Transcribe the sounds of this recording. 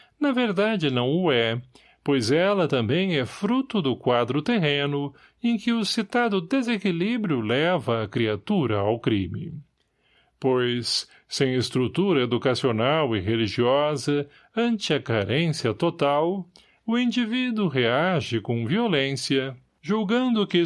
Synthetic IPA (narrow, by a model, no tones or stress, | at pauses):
nɐveɾd̪ad͡ʒɪnɐ̃w̃ʊɛ | pojzɛlɐt̪ɐ̃mbẽj̃ɛfɾut̪ʊd̪ʊkwad̪ɾʊt̪eɦẽnʊ | ẽj̃kɪʊsit̪ad̪ʊd̪ezekilibɾjʊlɛvɐːkɾiat̪uɾɐawkɾḭmɪ̰ | pojs | sẽj̃est̪ɾut̪uɾɐed̪ukasionawɪɦeliʒiɔzɐ | ɐ̃nt͡ʃɪɐkaɾẽsjɐt̪ot̪aw | ʊĩd͡ʒivid̪ʊɦeaʒɪkõviolẽsjɐ | ʒuwɡɐ̃nd̪ʊkɪ